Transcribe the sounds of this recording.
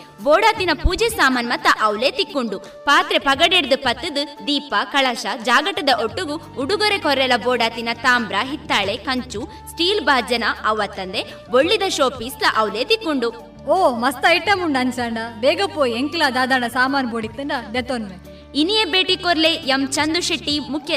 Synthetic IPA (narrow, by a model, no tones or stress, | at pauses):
boːɽaːt̪inɐpuːd͡ʒesaːmaːnmɐt̪ːɐʔɐwleːt̪ikːuɳɖu | paːt̪ɾepɐɡɐɽeɽd̪upɐt̪ːɨd̪ɨd̪iːpɐkɐɭɐʃɐd͡ʒaːɡɐʈːɐd̪ɐʔoʈːuɡu | uɽuɡɔɾekʰɔɾɛlɐbɔːɽaːt̪inɐt̪aːmbɾɐɦit̪ːaːɭekɐɲt͡ʃu | sʈiːlbaːd͡ʒɐnɐɐʋɐt̪ːɐnd̪e | boɭːid̪ɐʃoːpislɐʔɐwleːt̪ikːuɳɖu | oːmɐst̪ɐiʈːɐmuɳɖɐnt͡ʃaːɳɖɐbeːɡɐpːoːjieŋkilaːd̪aːd̪aːɳɐsaːmaːnboːɽit̪ːɐɳɖɐd̪et̪onʋe | inijebeːʈikɔɾlejɐmt͡ʃɐnd̪uʃɐʈːimukʰjɐ